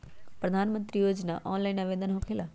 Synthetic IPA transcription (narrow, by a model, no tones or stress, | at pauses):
pɾɐd̪ʱaːnmə̃nt̪ɾijoːd͡ʒnaʔɔːnlaːinɐʋeːd̪ənɦokʰeːla